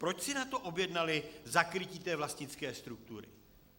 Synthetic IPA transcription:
pɾo̞t͡ʃsɪnat̪o̞ʔo̞bjɛdnalɪzakɾɪciːt̪ɛːvlastɲɪt͡skɛːst̪ɾuk̚t̪uɾɪ̰

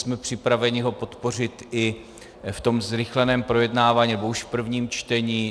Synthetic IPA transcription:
smɛpr̝̥ɪpɾavɛɲɪɦo̞po̞t̪po̞r̝ɪt̪ʔɪ | ft̪o̞mzɾɪxlɛnɛːmpɾo̞jɛdnaːvaːɲiːnɛbo̞uʃfpr̩vɲiːmt͡ʃt̪ɛɲiː

